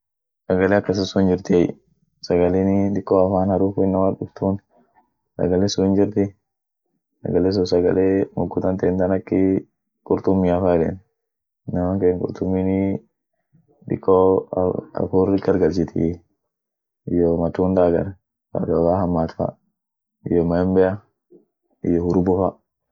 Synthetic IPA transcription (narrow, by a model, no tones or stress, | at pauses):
sɐɡɐleːɐkːɐs̬ɪsːʊnd͡ʒɪɾt̪ɪɛj | sɐɡɐlinɪᶑ̪ɪkːoːɐfaːnhɐɾuːfʊɪnːɐmaːᶑʊft̪uːn | sɐ̰ɡɐlesʊɪnd͡ʒɪɾt̪ɪ | sɐ̰ɡɐles̬ʊsɐɡɐ̰leːmʊɡːʊt̪ɐnt̪eːnt̪ɐnɐkːɪ | kʼʊɾt̪ʊmːiːɐfaːlḛn | nːɐmaŋkeːŋkʼʊ̰ɾt̪ʊmːini | ᶑɪ̰kʰːo̰ | ɐ̰fuːɾɪɡɐɾɡɐlsɪt̪ʰɪ̰ | ɪjomɐt̪uːnd̪aːɡɐ̰ɾ | sa̰d̪ɔfaːɦɐmːaːt̪fa̰ | ɪjɔmɐɛmbɛja | ɪ̰jɔhʊɾʊbʊfa